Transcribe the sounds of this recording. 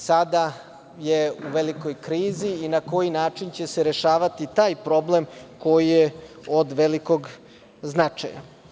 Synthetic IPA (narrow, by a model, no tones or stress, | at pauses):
sad̪a | jeuʋeliko̞jkɾiːziːnako̞jinaːt͡ʃint͡ɕe̞seɾe̞ʃaːʋat̪it̪aːjpɾo̞ble̞mko̞jijeod̪ʋeliko̞ɡ | znat͡ʂa̰ja̰